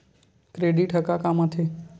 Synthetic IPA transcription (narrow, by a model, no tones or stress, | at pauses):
kɾeːɖiʈɦəkakamat̪ʰe